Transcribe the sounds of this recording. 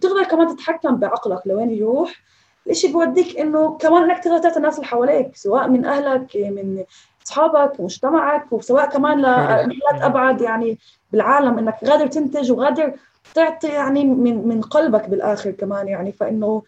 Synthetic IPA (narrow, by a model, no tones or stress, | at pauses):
t̪ɪɣd̪ɑɾˤkamaːnt̪ɪt̪ħakːambɪʕɑqlaklaweːnjɾuːħ | lʔɪʃibiwad̪ːiːkʔɪnːokamaːnʔɪnːak̚t̪ɪɣd̪ɑɾt̪ɪʕt̪inːaːsɪlħawaːleːksawaːʔmɪnʔahlakmɪn | ʔɑsˤħɑːbakwmʊʒt̪amaʕakwsawaːʔkamaːnlamalːaːt̪ʔabʕad̪jaʕni | bɪlʕaːlamʔɪnːakɣaːd̪ɪɾˤt̪ɪnt̪ɪʒwɣaːd̪ɪɾ | t̪ɪʕt̪ˤijaʕnimɪnmɪnqɑlbakbɪlʔaːxɪɾkamaːnjaʕnifaʔɪnːo